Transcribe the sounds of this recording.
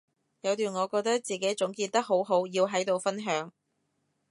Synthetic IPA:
jɐ˨˧wt̪yː˨nŋɔː˨˧kɔː˧k̚t̪ɐ˥k̚t͡siː˨ke˨˥jt͡sʊ˨˥ŋkiː˧t̪ɐ˥k̚ɦo˨˥wɦo˨˥wjiː˧wɦɐ˨˥jt̪o˨wfɐ˥nɦœː˨˥ŋ

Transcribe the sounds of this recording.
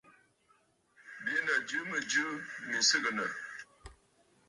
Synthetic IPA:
bjə˦nə˨d͡ʒɨ˦mə˨d͡ʒɨ˦mi˨sə˦ɡə˨nə˨

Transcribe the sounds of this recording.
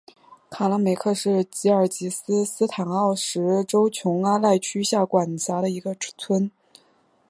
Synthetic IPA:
kʰa˨˩la˧˥ŋme˨˩ɪkʰɤ˥˧ʂɻ̩˥˩t͡ɕi˧˥ə˞˨˩t͡ɕi˧˥sɹ̩˥sɹ̩˥t̪ʰa˨˩nɑ˥˩ʊʂɻ̩˧˥ʈ͡ʂo˥ʊt͡ɕʰjʊ˧˥ŋa˥la˥˩ɪt͡ɕʰy˥ɕja˥˩kwa˨˩nt͡ɕa˧˥ɾə˧i˧˥ɡə˧t̪ʰwə˥n

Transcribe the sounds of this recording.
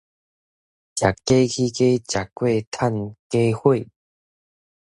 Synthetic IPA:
t͡ɕja˨˩kːe˦kʰi˦ke˦t͡ɕja˨kːwe˥˧˨t̪ʰa˥˧˨nke˦hwe˥˨

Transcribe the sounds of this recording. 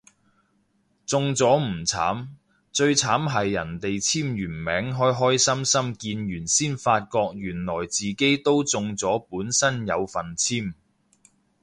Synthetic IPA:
t͡sʊ˨˧ŋt͡sɔː˨˥m̩˨˩t͡sʰa̰ː˨˥m | t͡sɵ˧ɥt͡sʰaː˨˥mɦɐ˨jːɐ̰˨˩nt̪e˨jt͡sʰiː˥mɥyː˨˩nmɛː˨˥ŋɦɔː˥jɦɔː˥jsɐ˥msɐ˥mkiː˧njyː˨˩nsiː˥nfaː˧t̚kɔː˧k̚jyː˨˩nlɔː˨˩jt͡siː˨ke˥jt̪o˥wt͡sʊ˧ŋt͡sɔː˨˥puː˨˥nsɐ˥njɐ˨˧wfɐ˨˩nt͡sʰiː˥m

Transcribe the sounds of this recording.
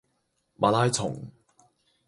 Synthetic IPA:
mʔaː˨˧laː˥jt͡sʰʊ˨˩ŋ

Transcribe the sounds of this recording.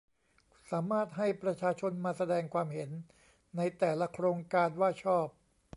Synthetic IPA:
saː˩˦maː˥˩t̪̚ɦa˥˩jpɾa˧t͡ɕʰaː˧t͡ɕʰo˧nmaː˧sa˧dɛː˧ŋkʰwaː˧mɦe˩˦nː | a˧jt̪ɛː˨˩la˦kʰɾoː˧ŋkaː˧nwaː˥˩t͡ɕʰɔː˥˩p̚

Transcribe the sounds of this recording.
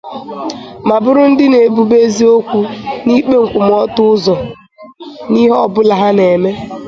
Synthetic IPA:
ma˨bʊ˦ɾʊ˦n̩˦dɪ˦ne˨bu˦be˦zi˦o˦kʷu˦ni˦k͡pe˦ŋ̩˨kʷʊ˨m˨ɔ˦tʊ˦zɔ˨ | ni˦ɦɔ˦˨bʊ˦la˨ɦa˦ne˨me˦

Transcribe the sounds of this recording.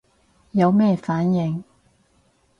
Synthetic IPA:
jɐ˨˧wmɛː˥faː˨˥njɪ˨ŋ

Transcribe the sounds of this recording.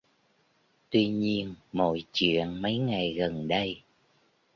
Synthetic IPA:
t̪wi˧ɲi˧ənmo̰˧˨jt͡ɕḭ˧˨ənmə˨˦jŋa˨˩jɣə˨˩nɗə˧j

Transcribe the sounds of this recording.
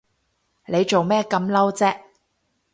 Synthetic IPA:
le˨˧jt͡ʃo˨wmɛː˥kɐ˨˧mlɐ˥wt͡sɛː˥k̚

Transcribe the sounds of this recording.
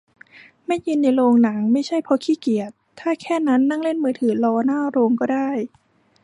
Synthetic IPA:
ma˥˩ji˧nːa˧jloː˧ŋna˩˦ŋma˥˩jt͡ɕʰa˥˩jpʰɔ˧˥kʰiː˥˩ki˨˩ət̪ʰːaː˥˩kʰɛː˥˩na˦˥nːa˥˩ŋle˥˩nmɯː˧t̪ʰɯː˩˦lɔː˧naː˥˩ɾoː˧ŋkɔː˥˩daː˥˩j

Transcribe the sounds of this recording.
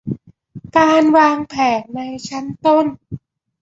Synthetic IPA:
kaː˧nwaː˧ŋpʰɛː˨˩˦n̚na˧jt͡ɕʰa˦˥nt̪o˥˩n

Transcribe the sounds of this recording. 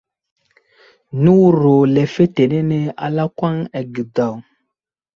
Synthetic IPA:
nu˦ɾo˨lɛ˨fe˦te˨ne˦nɛ˦a̰˨la˦kwa˦ŋɛ˨ɡi˨da˨w

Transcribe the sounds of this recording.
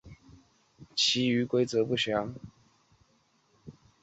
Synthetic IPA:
t͡ɕʰi˨˥y˧˥kwe˥ɪt͡sɤ˨˧˦pu˥˩ɕjɑ˨˥˦ŋ

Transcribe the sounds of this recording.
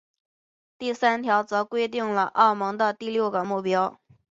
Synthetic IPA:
t̪i˥˩sa˥nt̪ʰjɑ˧˥ʊt͡sɤ˧˥kwe˥ɪt̪̬i˥˩ŋlə˩ʔɑ˥˩ʊmɤ˧˥ŋd̪ə˧t̪i˥˧ljo˥˩ʊɡə˩mu˥˩pjɑ˥ʊ

